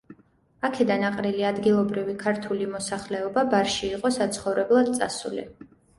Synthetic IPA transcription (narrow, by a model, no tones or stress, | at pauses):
akʰɛd̪anaqʼɾiliad̪ɡilˠɔbɾivikʰaɾt̪ʰulimɔsaχlɛɔbabaɾʃiːqʼɔsat̪sʰχɔvɾɛblˠad̪̚t̪sʼa̰sṵlḭ